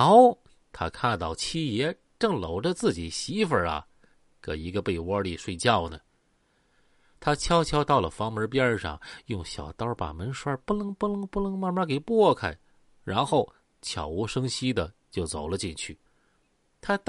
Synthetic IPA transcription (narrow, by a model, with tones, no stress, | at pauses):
ʊ | t̪ʰa̰˥kʰa˥˧nt̪ɑ˥˩ʊt͡ɕʰi˥jɛ˧˥ | ʈ͡ʂɤ˥˩ŋlo˨˩ʊʈ͡ʂə˧t͡sɹ̩˥˩t͡ɕi˨˩ɕi˧˥fə˨˩ɐ̰˧ | kɤ̰˨˩i˧˥ɡə˧pe˥˩ɪwɔ˥li˥˧˩ʂwe˥˧ɪt͡ɕjɑ˥˩ʊnə˩ | t̪ʰa˥t͡ɕʰjɑ˥ʊt͡ɕʰjɑ˥ʊt̪ɑ˥˩ʊlə˩fɑ˧˥ŋmə˞˧˥pjɛ˥ʂɑ̰˥˧˩ŋjʊ˥˩ŋɕjɑ̰˨˩ʊt̪ɑ˥pa̰˨˩mə˧˥nʂwə˞˥pu˥˩nɤ˧˥ŋpu˥n˧˥ŋpu˥˧nɤ˧˥ŋma˥˧nma˥ke˨˩ɪpwɔ˥˩kʰa˨˩ɪ | ɻa˧˥nxo˥˩ʊ | t͡ɕʰjɑ̰˨˩ʊu˧˥ʂɤ˥ŋɕi˥d̪ə˨t͡ɕjo˥˩ʊt͡so˨˩ʊlə˦t͡ɕi˥˧nt͡ɕʰy˥˩ | t̪ʰa˥t̪